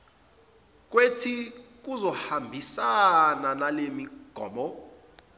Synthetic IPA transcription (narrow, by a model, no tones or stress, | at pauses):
k̬wetʰik̬uzɔhambʱisananalemiɡ̥ʱɔ̰ːmɔ